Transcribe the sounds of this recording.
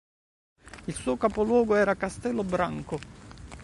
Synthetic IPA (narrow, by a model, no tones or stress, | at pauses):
ilsuːokapolwɔːɡoɛːɾakast̪ɛlːobɾaŋko